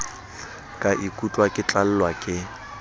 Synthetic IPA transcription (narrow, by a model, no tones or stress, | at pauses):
kʼaʔikʼut͡ɬʼwakʼɪt͡ɬʼal̩lwakʼɪ